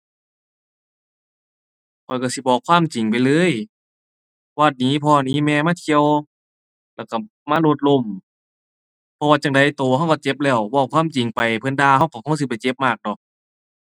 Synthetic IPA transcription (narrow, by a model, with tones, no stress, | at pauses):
kʰɔ˨jka˧˩si˧˦bɔː˧˩kʰːwaː˧˥˨mt͡ɕi˨˩ŋpa˨jlɤː˧˥˨j | wa˧˩t̪̚niː˨˥˨pʰɔː˧˨niː˧˥˨mɛː˧˨maː˧˥˨t̪ʰi˧əw | lɛː˧˩wka˧˩ | maː˧˥˨lo˧t̪̚lo˧˩˨m | pʰɔ˧waː˧t͡ɕa˧˩ŋda˨˩jt̪oː˨ha˧˩wka˧˩t͡ɕe˧˥p̚lɛː˧˩wbɔː˧˩˨kʰwaː˧˥˨mt͡ɕi˨˩ŋpa˨jpʰɤ˧˥˨ndaː˧˨ha˧˩˨wka˧˩kʰo˧˥˨s̬i˧˦pa˨˩jt͡ɕe˧˦p̚maː˧˩k̚dɔː˧˩k̚